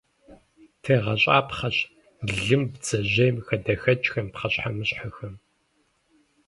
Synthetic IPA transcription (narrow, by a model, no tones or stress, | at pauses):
tʰeːʁɐɕʼa̰ːpχɐɕ | ɮɨmbd͡zɐʑejmxɐdɐxɐt͡ʃʼxɐmpχɐɕħamɨɕħɐxɐm